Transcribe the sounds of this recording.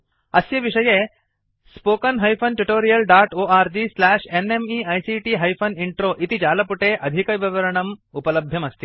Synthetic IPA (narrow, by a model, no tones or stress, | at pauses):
ɐsjɐʋiʂɐjeː | spoːkɐnɦɐjpʰɐnʈuʈoːɾijɐlɖaːʈoːaːɾd͡ʒislaːʂenemiːɐjsiːʈiːɦɐjpʰɐniɳʈɾoːʔit̪id͡ʒaːlɐpuʈeːʔɐd̪ʱikɐʋɐʋɐɾɐɳɐmupɐlɐbʱjɐmɐst̪i